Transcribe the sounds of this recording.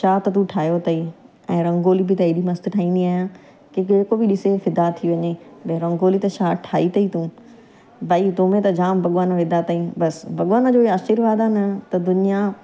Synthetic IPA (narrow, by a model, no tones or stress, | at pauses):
ʃaːt̪ɐt̪ũʈʰaːjot̪ɐiː | ɛ̃ːɾɐ̃ŋɡoːlibɪt̪ɐiːɗimɐst̪ʈʰaːĩːnd̪iaːɦjãː | kekekobɪɗɪsefɪd̪at̪ʰiʋɐɲebɐɾɐ̃ŋɡoːlit̪ɐʃaːʈʰaːit̪ɐit̪ũː | bɐit̪oːmẽt̪ɐd͡ʑaːmbɐɠʋaːnʋɪd̪at̪ɐĩbɐsbʱɐɠwaːnəd͡ʑoːiaːʃiɾʋaːd̪anɐt̪ɐd̪ʊnija